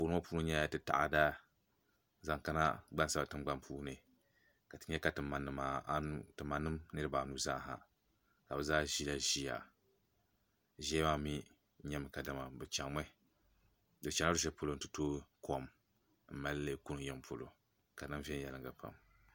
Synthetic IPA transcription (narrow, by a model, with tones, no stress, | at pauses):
puː˨nɨ˦a˦puː˦nɨ˦ɲa˦ja˦tɨ˦ta̰˨ʔa̰˦da˦ | za˨ŋka˦na̰˦ɡ͡ba˦nsa˦ba˨tɨ˦m˦ɡ͡ba˦mpuː˦nɨ˨ | ka˨tɨ˦ɲɛ˦ka˨tɨ˨ma˨nːɨ˨maː˦nu˨tɨ˨ma˨nːɨ˦mnɨ˦ɾɨ˦baː˨nu˦za˦˨ɦa̰˨ | ka˨bɨ˨zaː˦ʒi˦la˦ʒi˦ja̰˨ | ʒɛ˦maː˦mi˦ | ɲɛ˦mɨ˨ka˨dɨ˦ma˨bɨ˨t͡ʃa˨ŋma˦ | dɨ˨t͡ʃa˨ŋ˦a˦ɨ˦ʃɛ˦po˦lo˦n̩˨tɨ˨toː˦ko˦˨m | m̩˨ma˦lːe˦ku˦nɨ˨jɛ˦mpʰo˨lo̰˨ | ka˨nɨ˦m˦vɛ˦n˦jɛ˨lɨ˨ŋɡa˨pʰa̰˨m